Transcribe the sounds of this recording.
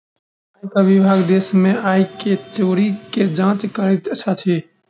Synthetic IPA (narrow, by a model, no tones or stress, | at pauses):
aːikaʋɪbʱaːɡd̪eːsmẽːaːikeːt͡ʃoːɾiːkeːd͡ʒãːt͡ʃkəɾit̪t͡ʃʰaːt̪ʰeː